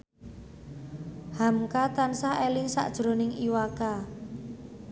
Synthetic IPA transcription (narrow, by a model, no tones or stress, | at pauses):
hamkat̪ansahelɪŋsa̰ʔd̥ʒ̥ɾo̤nɪŋʔiwaka